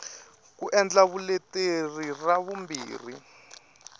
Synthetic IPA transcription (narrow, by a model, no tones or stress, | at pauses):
kuʔɛnd͡ɮaβuleteriraβumbḭːrḭ